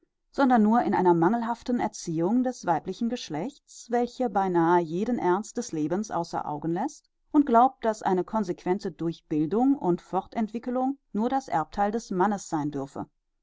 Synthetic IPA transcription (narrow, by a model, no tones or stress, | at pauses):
z̥ɔndɐnːuːɐɪnʔa̰ɪnɐmaŋl̩ɦaftn̩ɛɐt͡siːʊŋdɛsv̥aɪplɪçn̩ɡəʃlɛçt͡sv̥ɛlçəbaɪnaːəjeːdənʔɛɐnst̚d̥ɛsleːbənsʔa̰ʊsɐ̰ʔa̰ʊɡən̩lɛst | ʔʊnt̚ɡ̥laʊp̚t̚d̥asʔa̰ɪnəkʰɔnzekv̥ɛntədʊɐçb̥ɪldʊŋʊntfɔʁtɛntv̥ɪkəlʊŋnuːɐdasʔɛ̰ɐp̚tʰaɪldɛsmanəsz̥aɪndʏɐfə̰